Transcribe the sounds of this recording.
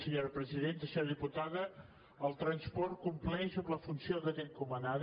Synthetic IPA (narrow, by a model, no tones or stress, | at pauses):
səɲoɾpɾəziðent̪əsɛwðiput̪aðə | əlˠt̪ɾənspɔrt̪̚kumplɛsobləfunsioðət̪ɛnkumənað